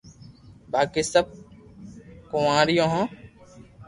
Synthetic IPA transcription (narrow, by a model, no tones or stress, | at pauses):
baːkiːsəb̚ | kõːãːɾɪjõːɦõː